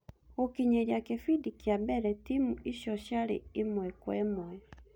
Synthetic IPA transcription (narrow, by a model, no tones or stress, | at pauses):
ɣokiɲeɾjakefidikiabɛɾɛtimuiɕɔɕjaɾḛemwɛkwɛmwɛ